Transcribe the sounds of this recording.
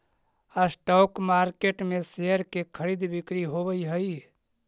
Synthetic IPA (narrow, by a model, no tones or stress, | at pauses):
asʈɔːkmaɾkeʈmeseəɾkekʰəɾid̪bikɾiɦobəjɦəj